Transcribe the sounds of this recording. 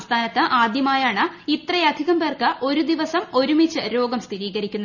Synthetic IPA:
st̪ʰaːnɐt̪ːɨʔaːd̪jɐmaːjaːɳɨit̪rɐjɐd̪ʱiɣɐmbeːrkɨʔo̞ɾud̪iʋɐsɐmo̞ɾumit͡ɕːɨɾo̞ːɡɐmst̪ʰiɾiːɣɐɾikʲːunːɐ

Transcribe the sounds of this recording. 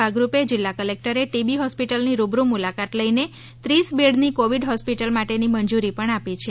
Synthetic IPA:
aɡɾuped͡ʒɪlːakəlek̚ʈəɾeʈibiɦɔspiʈəlniɾubɾumulakat̪ləine | t̪ɾisbeɽnikoʋiɖɦɔspiʈəlmaʈenimənd͡ʒuɾipəɳapit͡ʃʰe

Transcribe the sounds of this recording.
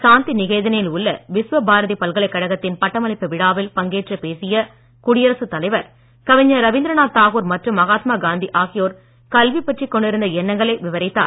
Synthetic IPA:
saːnt̪inɪɣɐːðɐnɐjɪlʊɭːɐʋɪsʋɐbaːɾɐðipɐlɣɐɭɐɪkːɐɽɐɣɐt̪ːɪnpɐʈːɐmɐɭɪpːɯʋɪɽaːʋɪlpɐŋɡeːʈrɐpeːsɪjɐ | kʊɽɪjɐɾɐsɯt̪ːɐlɐɪʋɐɾ | kɐʋɪɲːɐɾɐʋɪnd̪ɾɐnaːt̪aːɣoːɾmɐʈrɯmːɐɣaːt̪maːɡaːnd̪iʔaːɣɪjoːɾ | kɐlʋipːɛʈrikːɔɳɖɪɾɯnd̪ɐɛnːɐŋɡɐɭɐɪʋɪʋɐɾɪt̪ːa̰ː

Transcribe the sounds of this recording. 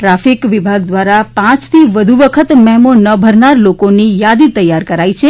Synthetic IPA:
ʈɾafikʋibʱaɡ̚d̪ʋaɾapãt͡ʃt̪ʰiʋəd̪ʱuʋəkʰət̪mɛɦmonəbʱəɾnaɾlokonijad̪it̪əjːaɾkəɾait͡ʃʰe

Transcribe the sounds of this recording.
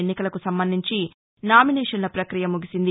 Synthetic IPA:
enːikɐlɐkusɐmbɐnd̪iɲt͡ʃi | naːminɛːʂɐnlɐpɾɐkɾijɐmuɡisind̪i

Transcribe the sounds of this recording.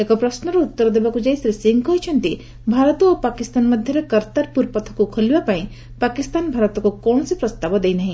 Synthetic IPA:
ekɔpɾʌsnɔɾeut̪ːɔɾd̪ebakud͡ʒajsɾisiŋɡkɔɦjt͡ʃʰʌnt̪i | bʱaɾɔt̪uopakist̪anməd̪ʱjʌɾekəɾt̪aɾpuɾpɔt̪ʰɔkukʰolibapaĩ | pakist̪anbʱaɾɔt̪ɔkokɔnɔsipɾʌst̪abɔd̪ejnaɦĩ

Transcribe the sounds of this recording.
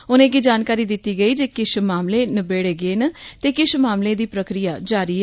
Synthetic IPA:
ʊnẽːkɪd͡ʒaːnkaːɾiːd̪ɪt̪ːiːɡəiːd͡ʒeːkɪʃmaːmlẽːnəbeːɽeːɡeːnət̪eːkɪʃmaːmlẽːd̪iːpɾəkɾijaːd͡ʒaːɾiː

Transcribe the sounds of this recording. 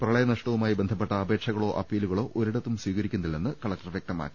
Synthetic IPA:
prɐɭɐjɐnɐʂʈɐʋumaːjibe̞nd̪ʰʱɐp̬ːe̞ʈːɐːbe̞ːkʂɐɣɐɭo̞ːʔɐpːiːluɣɐɭo̞ːʔoɾiɽɐt̪ːumswiːɣɐɾikʲːunːilːenːɨkɐɭɐk̚ʈɐrʋjek̚t̪ɐma̰ːkːi̥

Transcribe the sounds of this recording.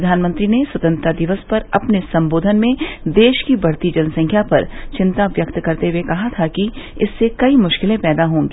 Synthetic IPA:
ɐd̪ʱaːnmə̃nt̪ɾineswɐt̪ə̃nt̪ɾad̪ɪʋəspɐɾɐpnesɐ̃mboːd̪ʱənmẽd̪eːʃkibʱɐɾt̪id͡ʒɐnəsɐ̃ŋkʰjapɐɾt͡ʃɪ̃nt̪aʋjɐk̚t̪kɐɾt̪eɦwekɐɦat̪ʰakiɪsːekɐimʊʃkɪlẽpɛːd̪aɦõːŋɡeː

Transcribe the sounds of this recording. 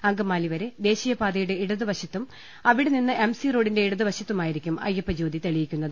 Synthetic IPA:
ɐŋɡɐmaːliʋɐɾe̞d̪e̞ːɕijɐpaːd̪ɐjuɽe̞iɽuðɨʋɐɕɐt̪ːum | ɐʋiɽeninːɨʔemsiro̞ːɖinde̞iɽuðɨʋɐɕɐt̪ːumaːjiɾikʲːumɐ̰jɐpːɐd͡ʑo̞ːd̪it̪eɭijikʲːunːɐðɨ

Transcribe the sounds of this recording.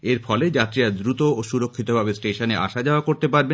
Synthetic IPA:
eɾfɔled͡ʑat̪ːɾiɾad̪ɾut̪ooʃuɾokʰːit̪obʱabesʈeʃoneʔa̰ʃad͡ʑaoakoɾt̪epaɾbe

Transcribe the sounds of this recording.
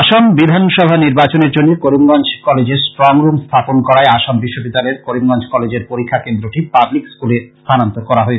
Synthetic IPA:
aʃambid̪ʱanʃɔbʱaniɾbat͡ɕoneɾd͡ʑonːekoɾimɡant͡ɕʰkɔled͡ʑeɾsʈɾɔŋɾumst̪ʰaponkɔɾaeaʃambiʃːobid̪ːaleɾkoɾimɡant͡ɕʰkɔled͡ʑeɾpoɾikʰːakend̪ɾoʈipablikskulest̪ʰanant̪oɾkɔɾaɦoe

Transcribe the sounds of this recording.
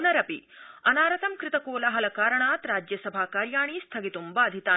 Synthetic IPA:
nɐɾɐpḭɐnaːɾɐt̪ɐmkɾɪt̪ɐkoːlɐɦɐlɐkaːɾɐɳaːt̪ɾaːd͡ʒjɐsɐbʱaːkaːɾjaːɳist̪ʰɐɡit̪umbɐːd̪ʱit̪aː

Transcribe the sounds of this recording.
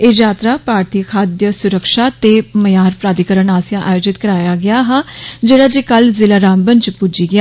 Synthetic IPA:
eːd͡ʒaːt̪ɾaːpaːɾt̪iːkʰaːd̪jəsʊɾəkʃaːt̪eːməjaːɾpɾaːd̪ikəɾəɳaːsjãːʔaːjoːd͡ʒɪt̪kəɾaːjaːɡɪaːɦad͡ʒeːɽaːd͡ʒeːkəlzɪlaːɾãːmbənt͡ʃpʊd͡ʒiːɡɪa

